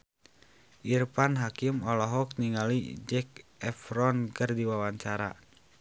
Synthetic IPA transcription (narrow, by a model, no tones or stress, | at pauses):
ʔirpanɦakimɔlɔɦɔk̚niŋalid͡ʒɛk̚ɛfɾɔnkɨrdiwawaɲt͡ʃaɾa̰